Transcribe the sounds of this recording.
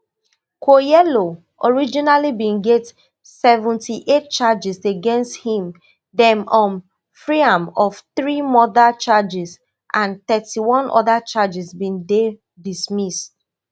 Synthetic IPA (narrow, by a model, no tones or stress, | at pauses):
kʰojɛlo | ʔɔɹid͡ʒinalibĩnɡɛt | sɛvũntʰiʔet̚t͡ʃad͡ʒiseɡɛ̃nsthĩm | dɛ̃mɔ̃n | fɹiãmɔv̥θɹimɔðat͡ʃad͡ʒis | ʔãnt̪ɛtiwɔ̃nʔɔ̰ðat͡ʃad͡ʒisbĩnde | dismist